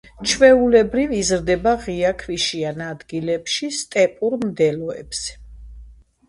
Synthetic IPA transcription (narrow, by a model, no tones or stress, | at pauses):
t͡ʃʰvɛulɛbɾivizɾd̪ɛbaʁiakʰviʃianad̪ɡilɛpʃist̪ʼɛpʼuɾmd̪ɛlɔɛ̰bs